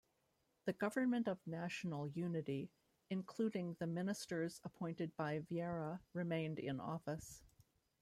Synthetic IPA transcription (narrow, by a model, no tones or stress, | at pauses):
ðɨɡʌvə̃˞mɨ̃ntʌvnæʃn̩l̩ˠjʉnɨɾi | ɨ̃nkʰl̥ʉɾɪ̃ŋðɨmɪ̃nɨstə˞z̥əpʰɔ̃ɪ̃ntɨd̚baɪviɛɹəɹɨmẽɪ̃ndɪ̰̃nɔ̰fɨs